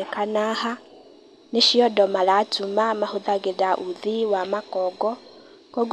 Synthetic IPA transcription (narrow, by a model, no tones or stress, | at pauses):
ɛkanaha | neʃiɔdɔmalatumamahuðaɡeðaʔuðiwamakɔɡɔ | kɔɡ